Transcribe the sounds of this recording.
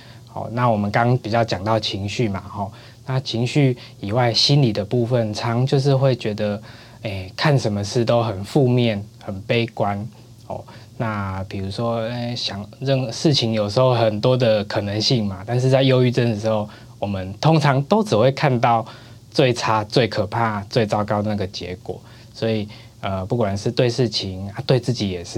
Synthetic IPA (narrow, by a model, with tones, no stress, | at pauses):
xɔ̰˨˩na˥˩wɔ˨˩mə˨˦nkɑ˥˦pi˨˩t͡ɕjɑ˥˩ʊt͡ɕjɑ˨˩ŋt̪ɑ˥˩ʊt͡ɕʰi˧˥ŋɕy˥˩ma˩xɔ˥˩ | na˥˨t͡ɕʰi˧˥ŋɕy˥˩ | i˨˩wa˥˩ɪɕi˦nli˨˩d̪ə˩pu˥˧fə˥˨nt͡sʰɑ˧˥ŋt͡ɕjo˥˧ʊʂ̬ɻ̩˥˧xwe˥˩ɪt͡ɕɥɛ˧˥d̪ə˧ | e˥˩ɪkʰa˥˨nʂə˧˥nmə˧ʂɻ̩˥˩t̪o˦ʊxə˨˩nfu˥˧mjɛ˥˩nxə˨˩npe˥ɪkwa˦n | hɔ̰˨˩na˥˧pʰi˨˩ɻu˧˥ʂwɔ˦e˥˩ɕjɑ˨˩ŋɻə˥˧ŋʂɻ̩˥˩t͡ɕʰi˧˥ŋjo˨˩ʊʂɻ̩˧˥xo˥˧ʊxə˨˩nt̪wɔ˦˥d̪ə˨kʰɤ˨˩nə˧˦ŋɕi˥˩ŋma˩t̪a˥˧nʂ̬̩˥˧t͡sa˥˧ɪjo˥ʊy˥˧t͡sə˥˩nə˩ʂ̬ɻ̩˧˥xo˥˧˩ʊ | wɔ˨˩mə˦nt̪ʰo˥ŋt͡sʰɑ˧˥ŋt̪o˥ʊt͡sɻ̩˨˩xwe˥˧kʰa˥˧nt̪ɑ˥˧ʊ | t͡swe˥˩ɪʈ͡ʂʰa˦˥t͡swe˥˩ɪkʰə˨˩pʰa˥˧t͡swe˥ɪt͡sɑ˥˧ʊkɑ˥ʊd̪ə˨˩na˥˩ɡə˩t͡ɕjɛ̰˧˦kwɔ̰˨˩˦ | swɔ˧˥i˨˩ | ə˨pu˥˩kwa˨˩nʂɻ̩˥˧t̪we˥˧ɪʂɻ̩˥˩t͡ɕʰi˧˦ŋa˦t̪we˥˧ɪt͡sɹ̩˥˩t͡ɕi˨˦jɛ˨˩ʂ̩˥˩